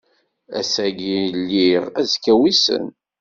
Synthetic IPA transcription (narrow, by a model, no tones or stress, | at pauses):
æ̰sæɡilːiʁæzkːæwisə̰n